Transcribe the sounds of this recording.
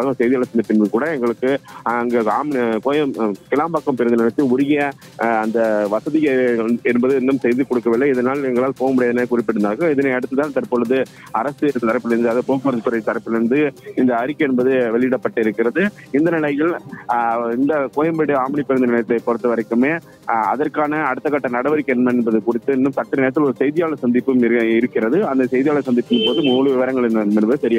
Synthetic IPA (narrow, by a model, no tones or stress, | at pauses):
aːɣɐ̃sɛjðɪjɐɭɐt̪ːɪnd̪ɐpɪɳʋɪkuːɽɐɛŋɡɐɭɯkːɯŋɡeaːmkoːjɐmkɪlaːmbaːkːɐmpɪɾɐnd̪ɐnɪɭɐt̪ːɯʊɾɪɣjɐ | ɐnd̪ɐʋɐsɐðɪɣɐɛnbɐðɯɪnd̪ɐmsɛjðɯkɔɽɯkːɐʋɪlːɐɪðɐnaːlɛŋɡɐɭaːlpoːɣɐmʊɽɪjɐðɐnɐkʊɾɪpːɪɽɯnd̪aːkɯɪðɐnɐɪɐɽɯt̪ːɯt̪ːaːnt̪ɐɾpoːɭɐðɯ | ɐɾɐsɯɛɾɯt̪ːɯt̪ɐɾɐpːɪlɪɾɯnd̪ɯɐðɯpoːkpɐɾɐst̪ʊɾɐt̪ɐɾɐpːɪlɾɯnd̪ɯɪnd̪ɐːɾɪkːɐɛnbɐðɯʋɛɭɪɪɽɐpːɐʈːɯɪɾɯkːɪɾɐðɯ | ɪnd̪ɐnɪlɐɪɣɐɭ | ɪnd̪ɐkoːjɐmbɛɽɯaːmɪnɪpːɛɾɐnd̪ɐnɛɭɐt̪ːɯlɐɪpɔɾɐt̪ːɯʋɐɾɐɪkːɯmeː | ɐ̰ðɐrkaːnɐːɽɯt̪ːɐkːaːʈːɐnɐɽɐʋɐɾɪkːɛnmɐnɛnbɐðɯkʊrɪt̪ːɯɛnːɯmsɐʈːɪɾnɪɾɐt̪ːɪlɔɾɯsɛjðɪjaːlɐsɐnd̪ɪpːɯmɪɾɯkːɪɾɐðɯɐnd̪ɐsɛjðɪjaːlɐsɐnd̪ɪpːɯnɯpoːðɯmʊnuːɭɯʋɪʋɐɾɐŋɡɐɭnnɛnbɐðɯsɐɾɪja